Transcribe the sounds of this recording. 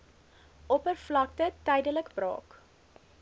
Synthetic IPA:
ʔɔpərflɐk̚tətɛjdələkbrɑ̰ːk

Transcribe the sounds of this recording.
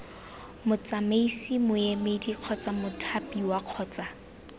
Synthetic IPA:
mʊt͡sameisimʊemediq͡χʰɔt͡samʊtʰapʼiwaq͡χʰɔːt͡sʼa

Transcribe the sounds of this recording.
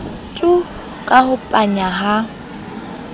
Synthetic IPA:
tʼʊ | kʼahʊpʼaɲaɦa

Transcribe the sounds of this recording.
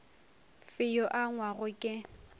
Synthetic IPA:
fɪjɔʔaŋwaɣʊkʼɪ

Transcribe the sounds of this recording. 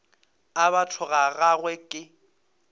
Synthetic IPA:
aβatʰʊɣaɣaɣwɛkʼɪ

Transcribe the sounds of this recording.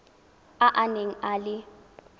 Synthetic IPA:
aʔaneŋ̩alɪ

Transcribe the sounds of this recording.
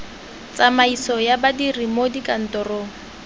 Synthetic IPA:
t͡samaisɔjabadirimodikʼan̩tɔroːŋ̩

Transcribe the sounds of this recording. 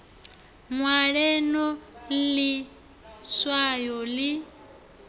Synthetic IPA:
mwaɺɛnɔli | swajɔli

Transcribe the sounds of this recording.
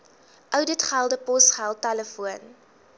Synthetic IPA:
ʔœwdətχælˠdəpɔsχælˠtæləfuən

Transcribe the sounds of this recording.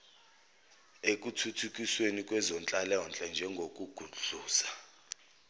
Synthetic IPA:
ek̬ʼutʰutʰuk̬ʼiswenikʼwɛzɔnt͡ɬʼalɛɔnt͡ɬʼɛnd͡ʒʱɛŋɡʱok̬ʼuɡ̥ʱuɮuuːsḁ

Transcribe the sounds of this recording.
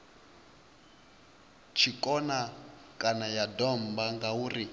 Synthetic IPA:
t͡ʃʰikʼɔna | kʼanajadɔmbaŋɡauːri

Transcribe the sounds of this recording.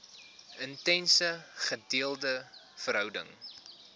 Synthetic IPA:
əntɛnsəχədiəlˠdə | fəɾɦœwdə̰ŋ

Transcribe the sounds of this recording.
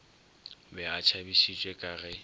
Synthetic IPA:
bɛat͡ʃʰabiʃit͡ʃʼwɛkʼaːɣɛ

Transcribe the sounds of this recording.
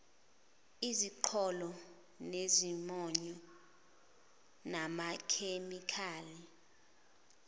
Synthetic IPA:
iziǃʰɔlɔ | nezimɔɲɔ | namakʰemikʰaːli

